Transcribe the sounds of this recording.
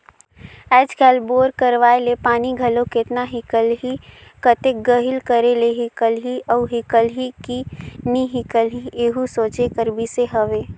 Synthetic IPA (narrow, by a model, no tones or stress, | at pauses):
ɛːd͡ʒkʰɛːlboːɾkəɾʋaːelepaːniɡʱəlokɪt̪naɦɪkəlɦikət̪eɡəɦɪlkəɾeleɦikəlɦiɔɦɪkəlɦikiniɦɪkəlɦiʔeːɦusoːt͡ʃekəɾbʱiseɦəʋeː